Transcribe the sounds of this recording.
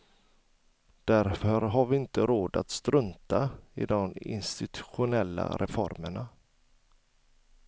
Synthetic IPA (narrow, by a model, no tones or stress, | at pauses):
d̪̥æɾfœɾɦaɾvɪɪnt̪əɾoːd̪at̪st̪ɾɵnt̪aɪ̰d̪ɔmɪ̰nst̪ɪt̪ʰɵ̥ɧʊnɛlːa̰ɾʔɛfɔɾməɳa